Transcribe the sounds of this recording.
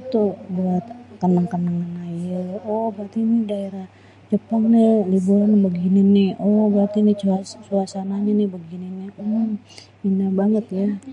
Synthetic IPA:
t̪ubəat̪kənəŋkənəŋaŋajəɔhbat̪inɪdaeɾah | t͡ʃəpɔŋnilibuɾanbəɡinɪnɪhɔbat̪init͡ʃat͡ʃuasanaɲanɪhbəɡinɪnːiɔ | inabaŋət̪ja

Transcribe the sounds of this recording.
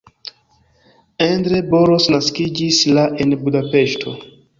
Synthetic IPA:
endɾeboɾosnaskid͡ʒislaʔenbudapeʃtʰo

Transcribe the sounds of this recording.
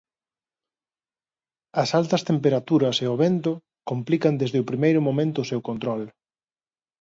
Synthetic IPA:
ɐsalt̪ɐst̪empeɾat̪uɾɐseoβent̪ʊ | komplikɐnd̪ezðɪʊpɾimejɾʊmomẽnt̪ʊːsewkont̪ɾɔl

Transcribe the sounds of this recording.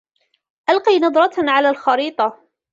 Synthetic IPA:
ʔalqiːnɑd̪ˤɾˤɑʕalaːlxɑɾiːt̪ˤɑ

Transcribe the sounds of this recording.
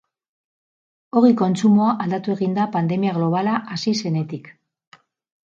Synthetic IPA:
o̞ɣiko̞nt͡sumoaʔald̪at̪ue̞ɣind̪apand̪e̞miaɣ̞lo̞β̞alaʔasise̞ne̞t̪ik

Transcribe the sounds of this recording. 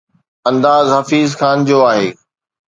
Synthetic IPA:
ɐ̃nd̪aːzɦɐfiːzxaːnd͡ʑoːaːɦeː

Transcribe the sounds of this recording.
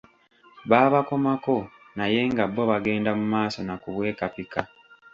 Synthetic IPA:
βaːβako̞mako̞ | naje̞ŋɡabːo̞βaɡe̞ːndamumaːso̞nakuβwe̞ːkapika

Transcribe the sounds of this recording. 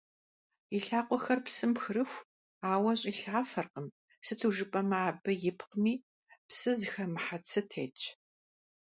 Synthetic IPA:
iɬaːqʷɔxɐrpsɨmpxɨɾɨxʷ | aːwɐɕʼiɬaːfɐrqəm | sɨtʰuːʒɨpʼɐmɐaːbɨjɪpʰqmiː | psɨzɨxɐmɨħat͡sʰɨtʰeːt͡ʃʼ

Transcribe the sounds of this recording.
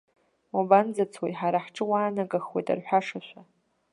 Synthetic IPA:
waband͡zat͡sʰwejħaɾaħʈ͡ʂʼɨwaːnaɡʼaxwejtʼa̰rħʷᶣaʂaʃʷᶣa

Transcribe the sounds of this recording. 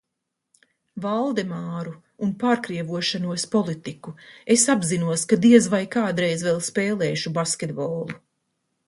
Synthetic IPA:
valˠd̪ɛmaːɾuː | npaːɾkɾiɛvuɔʃanuɔspɔlˠit̪ikuesabzinuɔskad̪iɛzvajkaːd̪ɾɛjzvɛlˠspeːlˠɛːʃubaskʲed̪bɔlˠu

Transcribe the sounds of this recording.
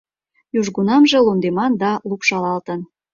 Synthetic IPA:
juʒɣunɑmʒĕlund̪emɑnd̪ɑlupʃɑlɑlt̪ən

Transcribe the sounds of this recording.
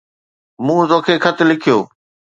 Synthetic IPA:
mũːzõːkʰeːkʰɐt̪ʰɪ̆lɪkʰijoː

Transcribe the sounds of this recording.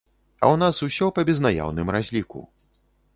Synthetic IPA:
ɐ̰wnasusʲɔpɐbʲɛznaja̰wnɨmɾazʲlʲikṵ

